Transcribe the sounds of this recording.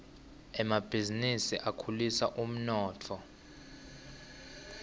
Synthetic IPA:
ɛmab̥ʱizinisiʔakʰulisa̰ʔum̩nɔːtʰɔ

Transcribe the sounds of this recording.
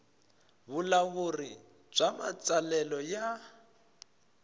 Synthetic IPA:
βulaβuri | b͡ʐama̰t͡sʼalɛlɔja

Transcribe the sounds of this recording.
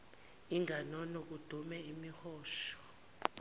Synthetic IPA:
iŋanɔnɔk̬ud̥ʱumɛimixɔːʃɔ̥

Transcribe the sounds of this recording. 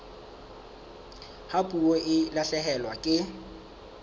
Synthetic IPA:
hapʼuoʔɪlaɬɛɦɛlwakʼɪ

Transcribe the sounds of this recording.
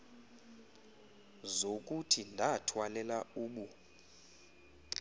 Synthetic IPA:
zok̬ʼutʰindʱatʰwalɛlauːɓu

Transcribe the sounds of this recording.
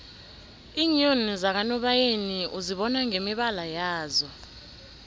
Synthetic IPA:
iːɲonzak̬anɔɓajeniʔuziɓɔnaŋemiɓalajaːzɔ

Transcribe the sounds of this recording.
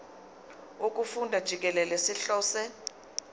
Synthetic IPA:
uk̬ʼufundʱad̥ʒ̥ʱik̬ɛlɛlesiɬɔːsɛ

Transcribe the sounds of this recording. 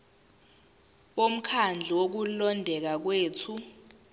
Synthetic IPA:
ɓom̩kʰand͡ɮʱɛwok̬ulɔndʱɛk̬ak̬weːtʰu

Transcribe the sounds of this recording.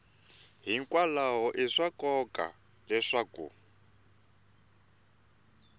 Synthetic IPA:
ɦiŋkwalaɦɔʔiʂakɔka̰ | lɛʂakṵ

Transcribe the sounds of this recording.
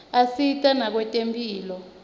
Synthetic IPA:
asitʼanak̬wɛtʼempʼiːlɔ

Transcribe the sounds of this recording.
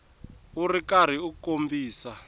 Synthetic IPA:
urikaɾ̤iukombiːsa

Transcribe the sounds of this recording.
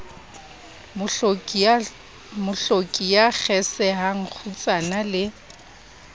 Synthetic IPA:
mʊɬokʼijak͡xʰɛsɛɦaŋ̩k͡xʰut͡sʼanalɪ

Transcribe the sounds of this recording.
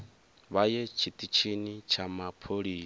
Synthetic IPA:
βajɛt͡ʃʰit̪ʼit͡ʃʰinit͡ʃʰamapʰoɺiː

